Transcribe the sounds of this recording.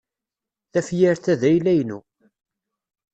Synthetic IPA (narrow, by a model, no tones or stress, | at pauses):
θæfjæɾθæðæjlæjnu